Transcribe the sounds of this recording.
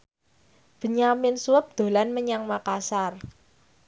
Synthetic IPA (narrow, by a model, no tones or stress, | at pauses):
b̥ə̤ɲamɪnsuəp̚d̪̥o̤lanməɲaŋmakasar